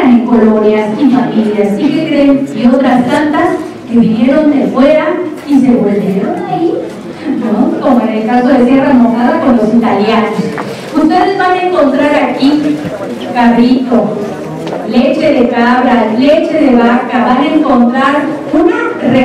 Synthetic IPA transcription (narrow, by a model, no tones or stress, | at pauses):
niko̞lo̞njasifamiljasikekɾenio̞t̪ɾastant̪as | ke̞βinje̞ɾo̞nd̪efwe̞ɾa | is̬e̞βo̞lβje̞ɾo̞nai | noko̞moenelkaso̞ðe̞t̪̬jeramoxaðako̞nlo̞sit̪aljano̞s | ust̪e̞ðe̞zβanaeŋko̞nt̪ɾaɾaki | karit̪o̞ | le̞t͡ʃe̞ðe̞kaβɾale̞t͡ʃe̞ðe̞βakaβanaeŋko̞nt̪ɾaɾ | unare